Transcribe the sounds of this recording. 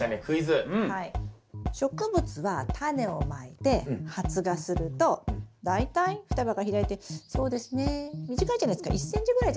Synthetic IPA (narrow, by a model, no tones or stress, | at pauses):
anekʰɯ̟izɨɯ̟̃hai | ɕo̞kɯ̟bɯ̟t͡sɨβat̪ʰane̞o̞maet̪e̞hat͡sɨɡasɨɾɯ̟t̪o̞d̪ait̪aiɸɯ̟̥t̪abaɡaçiɾait̪e̞so̞ːd̪e̞sɨne̞mʲiʑikaid͡ʑanaesɨ̥ka̰ʔisːẽ̞ɲ̟t͡ɕiɡɯɾaia